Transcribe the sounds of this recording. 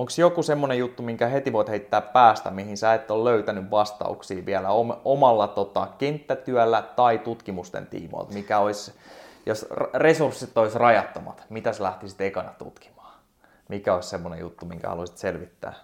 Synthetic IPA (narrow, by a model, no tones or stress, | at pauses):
oŋksjokusemːonejut̪ːumiŋkæhet̪iʋoit̪heit̪ːæːppæːst̪æ̰mihinsæet̪ːolløyt̪ænyʋʋɑst̪ɑ̰ṵksiːʋiælæomomɑlːɑt̪ot̪ɑkent̪ːæt̪yælːæt̪ɑit̪ut̪kimust̪ḛnt̪ḭːmo̰ːlt̪mikæoisjosresursit̪ːoisrɑjɑt̪ːomɑ̰t̪mit̪æslæht̪isi̥t̪ekɑnɑt̪ṵt̪ki̥mɑ̥ː | mikæoissemːonḛjṵt̪ːumiŋkæ̰hɑ̰usi̥t̪selʋit̪ːæ̰ː